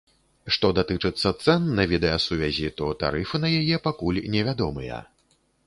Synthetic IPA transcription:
ʂt̪ɔd̪at̪ɨt͡ʂɨt̪sːɐt̪sɛnːɐvʲid̪ɛjasuvʲazʲit̪ɔt̪a̰ɾɨfɨnɐjajɛpakulʲnʲɛvʲad̪ɔmɨjɐ̰

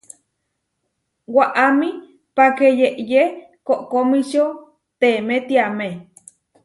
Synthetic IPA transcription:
waʔami | pakejeʔje | koʔkomiʃo | t̪emet̪iame

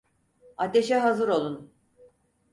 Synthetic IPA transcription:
at̪e̞ʃɛɦazɯɾo̞lˠun

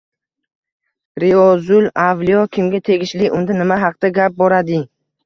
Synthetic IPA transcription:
ɾiɒzʊlavlijɒkʲʰɪmɡʲat̪ʰe̞ɡʲɪʃlɪʔʊnd̪anɪmaɦɑq̚d̪aɡʲap̚bɒɾad̪ɪ

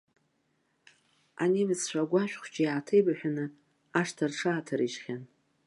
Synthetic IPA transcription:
a̰nemɨst͡ɕʷᶣaɡʷaʃᶣχʷt͡ʃʼijaːtʰejbaħʷᶣanɨ | aʂtʰarʈ͡ʂʰaːtʰaɾiʃχʲan

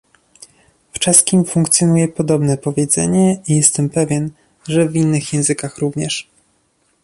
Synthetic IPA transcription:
ft͡ʂɛskʲimfuŋkt̪sʲjɔnujɛpɔd̪ɔbnɛpɔvʲjɛd̪zɛ̰ɲɛijɛst̪ɛmpɛvʲjɛn | ʐɛvʲinːɘxjɛ̃w̃zɘkaxɾuvɲɛʂ

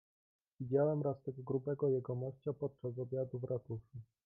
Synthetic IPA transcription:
vʲid͡ʑawɛmɾast̪ɛɡɔɡɾubɛɡɔjɛɡɔmɔɕt͡ɕapɔt̪̚t͡ʂasɔbʲjad̪uvɾʔat̪uʂu

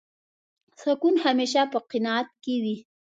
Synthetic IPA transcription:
sʊkunhameːʃ̬apəqɪnɑat̪̚kewi

